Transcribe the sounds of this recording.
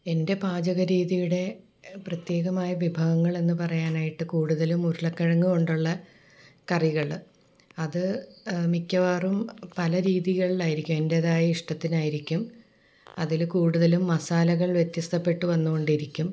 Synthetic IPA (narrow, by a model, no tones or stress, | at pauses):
e̞nde̞paːd͡ʑɐɣɐɾiːðijuɽe̞ | prɐt̪je̞ːɣɐmaːjɐʋibʱɐɣɐŋːɐɭe̞nːɨpɐrɐjaːnaːjiʈːɨkuːɽuðɐlumuɾuɭɐkːɐɻɐŋːuɣo̞ɳɖuɭːɐ | kɐriɣɐɭ | ɐðɨmikʲːɐʋaːrumpɐlɐɾiːðiɣɐɭilaːjiɾikʲːume̞nde̞ːðaːjɐiʂʈɐt̪ːinaːjiɾikʲːum | ɐðilkuːɽuðɐlumːɐsaːlɐɣɐɭʋje̞t̪jɐst̪ʰɐpːe̞ʈːɨʋɐnːuɣo̞ɳɖiɾikʲːum